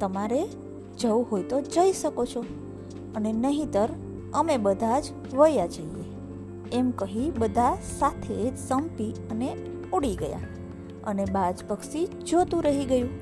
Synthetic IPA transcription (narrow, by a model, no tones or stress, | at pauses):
t̪əmaɾe | d͡ʒəuɦojt̪od͡ʒəiʃəkot͡ʃʰo | ənenəɦĩt̪əɾ | əmebəd̪ʱad͡ʒ | ʋəjad͡ʒəie | emkəɦibəd̪ʱasat̪ʰed͡ʒsəmpiəne | uɽiɡəja̰ | ənebad͡ʒpəkʃi | d͡ʒot̪ũɾəɦiɡəjũ